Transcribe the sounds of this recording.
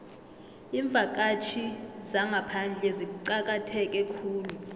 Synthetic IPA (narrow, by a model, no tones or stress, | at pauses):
iɱb̪vʱak̬ʼat͡ʃʰizaŋʱapʰand͡ɮʱɛziǀak̬ʼatʰɛk̬ʼɛkʰuːlu